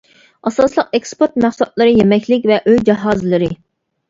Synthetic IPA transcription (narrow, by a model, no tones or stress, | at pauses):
ɑsɑslˠəqekspoɾt̪̚mæχsɑt̪̚lˠɨɾɨjemɛkʲʰlɪkʲvɛʔøjd͡ʒɑɦɑːzɨlˠɨɾɨ